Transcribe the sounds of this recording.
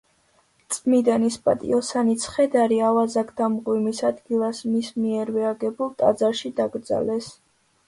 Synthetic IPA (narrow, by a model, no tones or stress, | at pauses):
t̪sʼmid̪anispʼa̰t̪ʼḭɔsanit̪sʰχɛd̪aɾiavazakʰd̪amʁwimisad̪ɡilˠasmismiɛɾvɛaɡɛbulˠt̪ʼa̰d̪zaɾʃid̪aɡɾd̪za̰lɛs